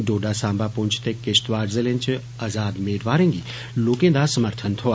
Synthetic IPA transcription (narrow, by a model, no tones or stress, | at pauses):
ɖoːɖasãːmbapõnt͡ʃʰt̪ekest̪ʋaːɖzelẽnt͡ʃʰ | ɐzaːd̪meːɖʋaːɾẽŋɡi | loːkẽːd̪asəməɾt̪ʰənt̪ʰoa